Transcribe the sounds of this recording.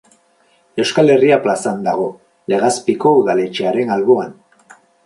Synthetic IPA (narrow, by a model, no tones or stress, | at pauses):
e̞wskale̞riaplasand̪aɣ̞o̞ | le̞ɣaspiko̞uðale̞t͡ʃeaɾe̞nalβo̞an